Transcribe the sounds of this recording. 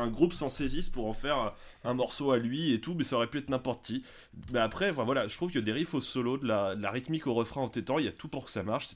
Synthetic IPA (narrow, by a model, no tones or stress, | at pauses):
ɛ̃ɡʁupsɑ̃sezispuʁɑ̃fɛʁ | ɛ̃mɔʁsoalɥiet̪umɛsaɔʁɛpyɛt̪̚nɛ̃pɔʁt̪əkʲi | mɛapχɛfɛ̃vwalaʒət̪χuvkəd̪eʁifosɔlod̪əlad̪əlaʁit̪mikoʁəfχɛ̃ɑ̃t̪ɛt̪ɑ̃iat̪upuʁkə̥samaʁʃsɛ̥